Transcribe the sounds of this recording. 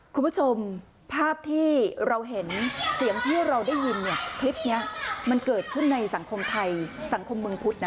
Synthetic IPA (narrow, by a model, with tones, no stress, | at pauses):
kʰu˧nmpʰu˥t͡ɕʰo˧m | pʰaː˥˩p̚t̪ʰiː˥˩ɾa˧wɦe˩˦nsi˨˩˦əŋt̪ʰiː˥˩ɾa˧wdaː˥˩jːi˧nni˥˩ɐkʰli˦˥p̪̚ni˦˥ɐma˧nkɤː˨˩t̪̚kʰɯ˥˩nːa˧jsa˩˦ŋkʰo˧mt̪ʰa˧jsa˩˦ŋkʰo˧mːɯ˧ŋpʰu˦˥t̪̚na˦˥